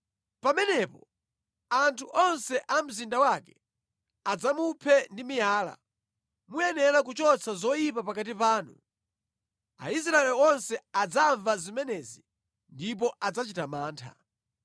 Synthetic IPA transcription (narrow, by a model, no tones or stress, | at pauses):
pamɛnɛpɔ | antʰuʔɔnsɛʔam̩zindawakɛ | ad͡zamupʰɛndimijaːla̰ | mujɛnɛlak̬ut͡ʃɔt͡sʰazɔjipapakat̬ipaːnu | a̰is̬ɾaɛlɔnsɛad͡zaɱvazimɛnɛzi | ndip̬ɔʔad͡zat͡ʃitamaːntʰa̰